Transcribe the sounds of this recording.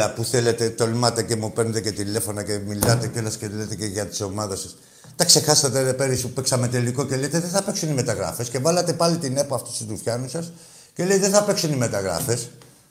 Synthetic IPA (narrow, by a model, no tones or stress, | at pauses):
ɐpuθe̞le̞t̪e̞t̪o̞lmɐt̪e̞ce̞mupeɾnet̪ece̞t̪ile̞fo̞nɐce̞milɐt̪e̞colɐsceðilet̪e̞ceʝɐt̪i̥so̞mɐðɐsɐs | t̪ɐkse̞xɐsɐt̪eɾepe̞ɾisuupeksɐme̞t̪e̞liko̞celejt̪eðeθɐpe̞ksunime̞t̪ɐɣɾɐ̰fe̞sce̞vɐlɐt̪e̞pɐlit̪ine̞poɐft̪u̥st̪ut̪ufçɐnusɐs | ce̞leiðeθɐpeksunime̞t̪ɐɣɾɐ̰fe̞s